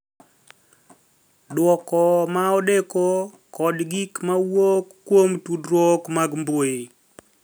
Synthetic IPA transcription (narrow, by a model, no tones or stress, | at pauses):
dwɔkɔmaɔdeko | kɔdɡikmawokːwomtudɾwɔkmaɡmbwoi